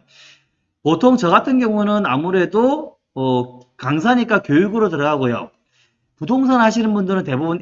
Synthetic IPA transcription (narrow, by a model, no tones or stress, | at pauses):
potʰoŋt͡ɕʌɡatʰɯnɡjʌŋunɯnamuɾe̞doː | kaŋsʰaɲik͈akjojuɡɯɾotɯɾʌɡaɡojo̰ | pudoŋs̬ʰanɦaɕʰinɯnbundɯɾɯnte̞bubun